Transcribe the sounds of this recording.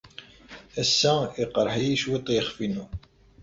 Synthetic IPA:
æsːæiqɾˤħijiʃwit̪ˤjəχfinu

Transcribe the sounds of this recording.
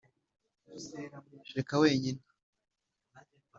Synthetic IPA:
ʃeɾekawe̞ːɲine

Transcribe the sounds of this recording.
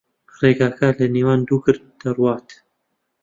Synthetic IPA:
reːɡaːkaləniːwɑːnd̪uːkɨɾ̚d̪̥ɐrwɑːt̪

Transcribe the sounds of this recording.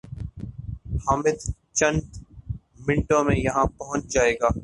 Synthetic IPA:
haːmɪd̪ | t͡ʃə̃nd̪ | mɪ̃ɳʈõmẽjɐɦãpɐɦʊ̃t͡ʃd͡ʒaːeːɡaː

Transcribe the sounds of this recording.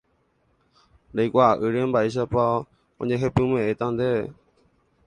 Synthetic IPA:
lejkʷaʔɨɾẽmbaiʃ̬apa | õ̰ɲẽɦepɨ̃mẽʔet̪ãnd̪e

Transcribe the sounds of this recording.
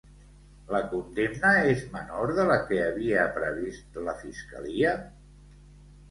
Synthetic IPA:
ləkund̪emnəezmənoɾðələkəːβiəpɾəβist̪ləfiskə̰liə

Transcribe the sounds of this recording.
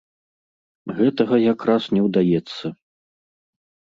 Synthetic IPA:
ɣɛt̪ɐɣɐjakɾasnʲɛwd̪ajɛt̪sːɐ

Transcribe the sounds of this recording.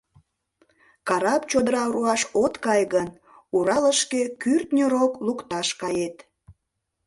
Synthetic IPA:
kɑɾɑpt͡ɕod̪əɾɑɾuɑʃot̪kɑjɣən | uɾɑləʃkekyrt̪nʲəɾoklukt̪ɑʃkɑjet̪

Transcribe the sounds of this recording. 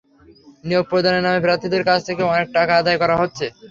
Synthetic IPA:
nijoɡ̚pɾod̪ʱaneɾnːamepɾat̪id̪eɾkat͡ɕʰt̪ʰekeɔnek̚ʈakaad̪aekɔɾaɦotːɕʰe

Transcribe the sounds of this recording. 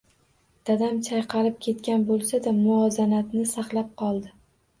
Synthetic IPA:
d̪̥ad̪amt͡ʃʰajqʰɑlɪp̚kʲʰe̞t̪kʲanbolˠsad̪amʊɒzanat̪nɪsaqlˠap̚qʰɒlˠd̪ɪ

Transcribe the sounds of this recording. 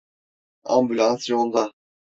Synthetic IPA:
ã̰mbylʲãnsjolld̪a

